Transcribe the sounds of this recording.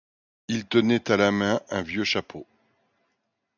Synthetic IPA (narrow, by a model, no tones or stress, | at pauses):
ilt̪ənɛt̪alamɛ̃ɛ̃vjøʃapʰo